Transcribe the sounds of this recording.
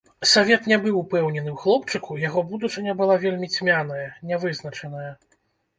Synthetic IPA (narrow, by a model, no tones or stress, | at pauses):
sɔvʲɛt̪nʲɛbɨwpɛwnʲɛn̪ɨwxlˠɔpt͡ʂɨkujaɣɔbud̪ut͡ʂɨnʲɐbɨlˠavʲelʲmʲit͡sʲmʲanɐjɐnʲɛvɨznɐt͡ʂɐnɐjɐ